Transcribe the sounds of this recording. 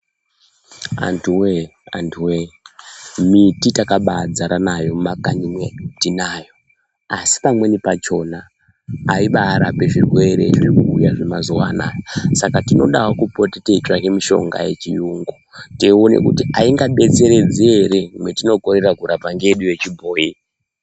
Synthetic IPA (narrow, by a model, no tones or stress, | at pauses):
a̰ntʰuweantʰuwe | mititakaɓad͡zaɾanajo̞makaɲimwetinajo̞ | asi̥pamwe̞nipat͡ʃo̞naː | iɓaːɾape̞ʐirwe̞ɾe̞̰ʐiikuːjaʐemazuwana̰ːjosakatino̞̰ɗawokupotite̞itrakemiʃo̞̰ŋɡa̰je̞̰t͡ʃijuŋɡoteonḛkutiʔaiŋɡaɓet͡se̞ɾe̞d͡zeeɾemwetino̞koɾerakuɾapaŋɡeɗuje̞t͡ʃibʱoːji